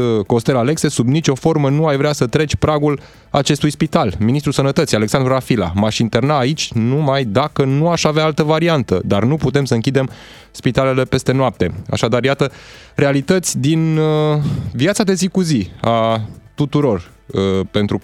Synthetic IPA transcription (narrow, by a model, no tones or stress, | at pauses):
ko̞st̪e̞lale̞kse̞subnit͡ʃʲo̞fo̞rmənuajvɾeasət̪ɾe̞t͡ʃʲpɾaɡul | at͡ʃe̞st̪ujspit̪alminist̪ɾusənət̪ət̪sijale̞ksand̪ɾurafila̰maʃint̪e̞rnaːit͡ʃʲnumajd̪akənuaʃaveaalt̪əvaɾiant̪əd̪arnuput̪e̞msəɨŋkʲid̪e̞m | spit̪ale̞le̞pe̞st̪e̞noap̚t̪e̞̰a̰ʃad̪arjat̪əre̞alit̪ət̪sʲd̪in | vjat̪sad̪e̞zikuziat̪ut̪uɾo̞r | pe̞nt̪ɾu